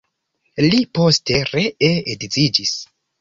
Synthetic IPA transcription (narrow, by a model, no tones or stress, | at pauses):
lipo̞ste̞ɾeeedzid͡ʒis